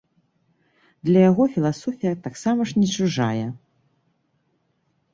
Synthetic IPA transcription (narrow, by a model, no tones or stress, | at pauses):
d̪lʲɐjaɣɔfʲilˠasɔfʲijɐt̪aksamɐʂnʲɛt͡ʃuʐa̰jɛ